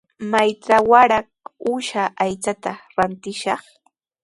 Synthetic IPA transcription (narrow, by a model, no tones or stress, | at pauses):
majt͡sawaɾak̚ʊʃaʔajt͡sat̪aɾant̪ɪʃɑχ